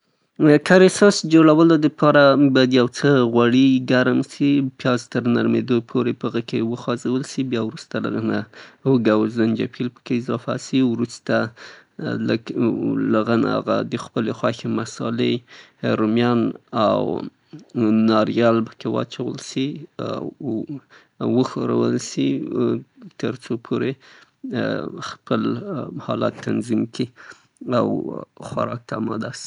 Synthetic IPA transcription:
kaɾesosd͡ʒoɽawəlod̪əpʰɑɾabɑjad̪jawt͡səɣwaɽiɡaɾmsipjɑzt̪əɾna̰ɾmed̪opʰoɾepəɣəkewəxɑzawəlsibjɑwɾust̪ala̰ɣənaəɡawzand͡ʒa̰pʰilpə̥keɪzɑfa̰siwɾust̪a | lə̰klaɣəna̰a̰ɣa̰d̪əxpəlexwɑxemasɑlehaɾumjɑnaw | nɑɾjɑlpə̥kewɑ̰t͡ʃawə̰lsiaw | wəxoɾa̰wə̰lsi | t̪əɾt͡sopʰoɾe | xpəlhɑ̰la̰t̪ʰːanzimki | awxwaɾɑk̚t̪aːmɑd̪asi̥

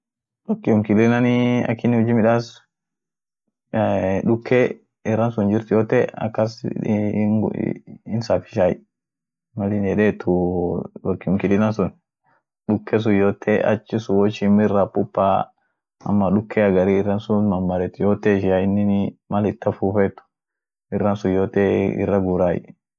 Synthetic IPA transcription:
wɐkːɪʊmkɪlɪnɐnɪɐ̰kːɪnːɪhʊd͡ʒimɪᶑas | ᶑʊkʰːe | ɪrːɐnsʊnd͡ʒɪɾt̪ʊjoːt̪ɛɐ̰kːɐs | ɡ̰ɪnsafɪ̥ʃaj | mɐlɪnɛᶑet̪ʰʊwɐkːɪʊŋkɪlɪnɐnsʊn | ᶑʊkʰːɛs̬ʊjoːt̪ʰːeʔɐ̰t͡ʃːɪsʊwɔt͡ʃɪmɪrapːʊpːaː | ɐ̰mːɐᶑʊkʰːɛɐɡɐɾiɪrːɐnsʊnmɐmːɐɾɛt̪ʊjoːt̪eʃaɪnːɪnmɐlɪt̪ːɐfuːfɛt̪ːʊ̥ | ɪrːɐnsʊjoːt̪eɪ̰rːɐɡuɾaːj

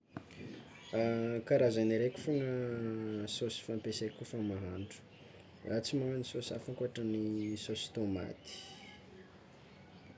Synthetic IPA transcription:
akaɾazaniɾeku̥foŋə | sosi̥fampesakufəmaɦaɳɖ͡ʐu̥ | rat͡simaɦanisosa̰fukuaʈ͡ʂənisosi̥t̪oma̰t̪i̥

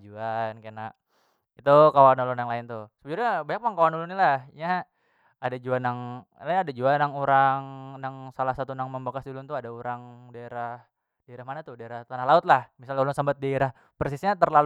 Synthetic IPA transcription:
d͡ʒuankana | it̪ukawanolʊnjaŋlaɪnt̪ʊsəbəd͡ʒuɾabaɲak̚maŋkawanulʊnalahɲaː | dad͡ʒuanaŋlanadad͡ʒuanaŋuɾaŋnaŋsalahsat̪unaŋməmbakasdulʊnt̪uadauɾaŋdaeɾah | daeɾahmanat̪ʊhdaeɾaht̪anahlaʊt̪̚lahmisalulʊnsambət̪̚daeɾah | pərsɪsɲat̪ərlal

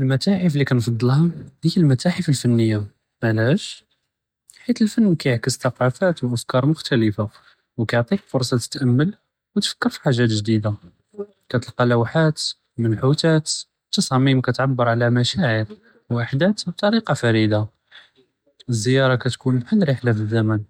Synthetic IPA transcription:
əlmæt̪aħəflikænfɑd̪ˤːəlhɑhəjːəlmæt̪aħəfəlfənːəjːa | manæʃ | ħit̪əlfənːkæjəʕkəst̪ɑqɑfæt̪wʔæfkɑɾˤmʊxt̪æləfa | wkæjʕt̪ˤik̚fʊɾˤsˤɑt̪ə̥t̪ʔəmːəl | wət̪fə̥kːəɾfi̥ħaʒːæt̪ʒd̪id̪a | kæt̪əlqɑlæwħat̪ | mənħut̪æt̪ | t̪ːɑsˤɑmimkæt̪ʕabːəɾˤʕlæmæʃæʕəɾ | wʔaħd̪æt̪b̚t̪ˤɑɾiqɑfæɾid̪a | əzːəjɑɾˤɑkæt̪kunəlħənːɾiħlæfəzːæmən

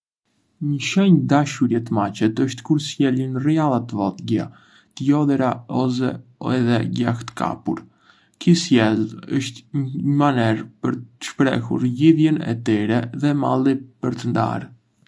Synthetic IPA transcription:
ɲəʃɛɲd̪aʃuɾjɛt̪əmat͡ɕɛt̪əʃt̪kuɾsjɛlinrialˠat̪əvɔt̪ɟa | t̪əjɔðɛɾaɔzɛɛðɛɟa̰xt̪ə̥kʰa̰pṵɾ | kisjɛləʃt̪ɲəmanɛɾpəɾt̪ə̥ʃpɾɛ̰hṵɾliðjɛnɛ̰t̪ɛɾɛðɛma̰lˠipəɾt̪ənd̪a̰ɾ

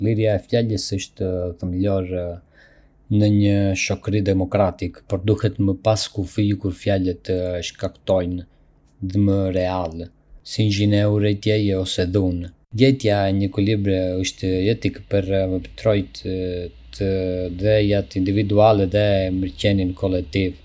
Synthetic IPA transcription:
liɾjaɛfjaʎəsəʃt̪əðəmlɔɾ | nəɲəʃɔkɾid̪ɛmɔkɾat̪ikpɔɾd̪uhɛt̪məpaskufikuɾfjalɛt̪ːəʃkakt̪ɔjn | ðɛməɾɛal | sind͡ʒinɛuɾɛt̪jɛjɛɔsɛðun | ɟɛt̪jaɛɲəkulibɾɛəʃt̪əɛt̪ikpəɾavəbt̪ɾɔjt̪t̪əd̪ɛjat̪ind̪ivid̪ualɛðɛməɾcɛninkɔlɛk̚t̪iv

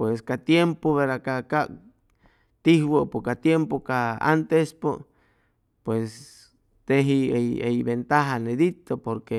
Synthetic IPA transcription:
pweskat̪jempoβeɾakakak | t̪ihwopokat̪jempokaa̰nt̪espo | pwes | t̪eɦiejejβent̪aɦaneðit̪opoɾke

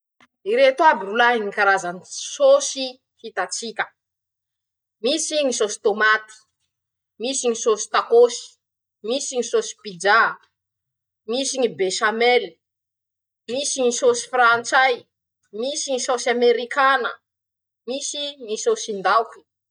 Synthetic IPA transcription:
iɾet̪abiɾulaiŋikaɾazanisosi | hit̪at͡sikʲə̥ | misiŋisosi̥t̪omat̪i̥ | misiŋisosi̥t̪akosi̥ | misiŋisosi̥pid͡ʒa | misiɲibeʃamɛl | misiŋisosi̥frant͡saj | misiŋisosameɾikanə̰ | misiŋisosind̪awki̥

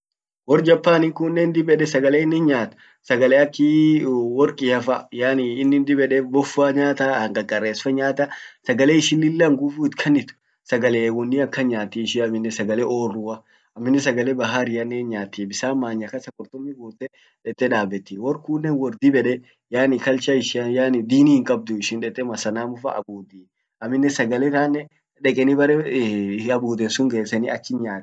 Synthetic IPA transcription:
wɔɾd͡ʒɐpːaːnɪŋkunːɛnd̪ɪbɛᶑɛsɐɡɐleːɪnːɪnɲaːt̪ʊ̥ | sɐɡɐleɐkːiwɔɾkʼɪɐfɐjaːnɪɪnːɪnd̪ɪbɛᶑɛbɔfaːɲaːt̪ɐɐŋkʼɐkʼɐrːeːsfɐɲaːt̪ɐsɐɡɐleɪʃɪnːɪlːɐŋɡʊfuːɪt̪kʰɐnːɪt̪ʊ̥ | sɐɡɐleːwɔnːɪɐkːɐɲaːt̪ːiɪʃɪɐmɪnːɛsɐɡɐlɛʔoːrːuːɐ | ɐmːɪnːɛs̬ɐɡɐlɛbɐɦaɾɪjɐnːeːnɲaːt̪ːiːbɪsaːmːaːɲːɐkɐsɐkʼɔɾt̪ɔmːɪɡuːt̪ːɛ | ᶑɛt̪ʼːɛᶑaːbɛt̪ːiːwɔɾkuːnːɛwɔɾd̪ibɛᶑɛ | jaːnɪkɐlt͡ʃɐɪʃɪɐjaːnɪd̪iːnihɪŋkʼɐb̚d̪ʊɪʃɪnᶑɛt̪ʼːɛmɐsɐnaːmʊfɐ̰ʔɐ̰buːd̪iː | ɐmːɪnːɛsɐɡɐlɛt̪aːnːɛ | ᶑɛkʼɛnɪbɐɾɛ | ɐbuːd̪ɛnsʊŋɡeːsɐnɪɐt͡ʃːɪnɲaːt̪ɛ̥

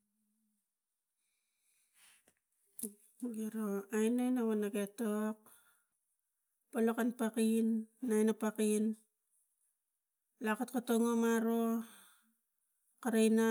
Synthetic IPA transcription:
ɡiɾoajnajnaβanaɡetok̚ | palokanpakinːajnapakin | lakatkotoŋomaɾo | kaɾajna

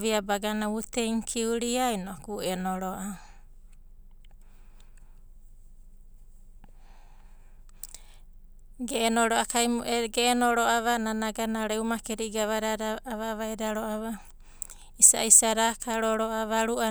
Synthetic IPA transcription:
βiabaɡanautejŋkʰiuɾiajnokuenoɾoʔa | ɡeːnoɾoakajɡeːnoɾoʔaβananaɡanaɾeumakeɾiɡaβaɾaɾaβaβajɾaɾoaβa | isa̰isaɾakaɾoɾoʔaβaɾuʔa

